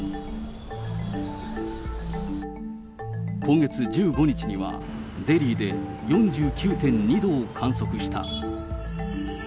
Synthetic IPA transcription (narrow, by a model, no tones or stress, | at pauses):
kõ̞ŋɡe̞t͡sɨd͡ʑɨːɡo̞ɲ̟it͡ɕiɲiβa̰ | d̪e̞ɾʲiːd̪e̞ | jõ̞ɲd͡ʑɨːkʲɨːt̪ẽ̞ɲɲid̪o̞ːkʰãɰ̃so̞kɯ̟ɕi̥t̪a̰